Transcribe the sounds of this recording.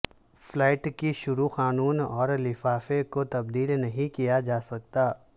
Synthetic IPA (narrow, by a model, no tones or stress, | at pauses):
flɛːɪʈkiʃʊɾuxaːnuːnɔːɾlɪfaːfekot̪ɐbd̪iːlnɐɦĩkijad͡ʒaːsɐk̚t̪aː